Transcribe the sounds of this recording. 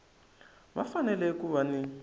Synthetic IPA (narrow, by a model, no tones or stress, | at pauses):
βa̰fanɛlɛkuβani